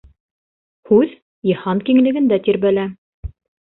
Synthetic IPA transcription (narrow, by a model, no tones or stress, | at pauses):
hʉð | jɤ̆hɑnkiŋlɘ̆ɡɘ̆nd̪æt̪iɾβælæ